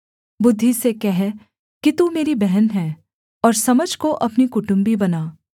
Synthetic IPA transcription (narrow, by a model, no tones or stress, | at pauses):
bʊd̪ʱːisekɛɦɛ | kit̪umeːɾibɛɦɛnɦɛː | ɔːɾsɐməd͡ʒʱkoʔɐpnikʊʈʊ̃mbibɐnaː